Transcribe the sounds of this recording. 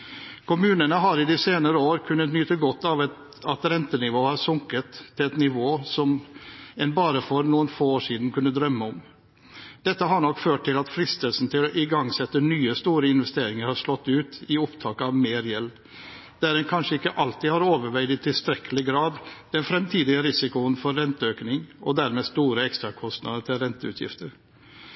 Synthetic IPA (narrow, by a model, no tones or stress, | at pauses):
kʰʊmʉːnənəɦɑɾɪd̪ɪseːnəɾəoːɾkʰʉnːət̪njyːt̪əɡɔt̪ːɑʋ̪ | ɑt̪ɾɛnt̪ənɪʋoːhɑɾsʊŋkət̪ʰːɪɛt̪nɪʋoːsɔmɛnbɑːɾəfɔɾnuːənfoːoːʂiːd̪n̩kʰʉnːəd̪ɾœmːəɔm | d̪̥ɛt̪ːəɦɑɳɔkːføːʈ̚t̪ɪlɑt̪fɾɪst̪əlsn̩t̪ʰɪlɔʔɪɡɑŋːsɛt̪ːənyːəst̪uːɾəɪnʋɛst̪eːɾɪŋəɾhɑʂlɔt̪ːʉːt̪ɪɔpt̪ʰɑːkəɑʋmeːɾjɛlː | d̪̥æɾɛnkʰɑnʂəɪkːəʔɑlt̪ɪhɑɾoːʋəɾʋæɪd̪ɪt̪ʰɪlst̪ɾɛkʰːəlɪɡɾɑːd̪d̪̥ɛnfɾɛmt̪ʰiːd̪ɪəɾɪsɪkʊənfɔɾːɛnt̪əøːknɪŋʔɔd̪æɾmest̪uːɾəɛkst̪ɾɑkʰɔst̪nɑ̰d̪əʈ̪ʰɪlɾɛnt̪əʉ̰ːt̪jɪ̰ft̪ʰəɾ